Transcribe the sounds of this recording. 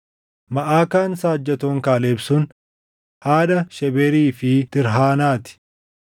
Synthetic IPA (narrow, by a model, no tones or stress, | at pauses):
mɐʔaːkaːnsaːd͡ʒːɐt̪oːŋkaːleːbsʊn | haːᶑɐʃɛbɛɾiːfɪt̪ɪɾɦaːnaːt̪ɪ̥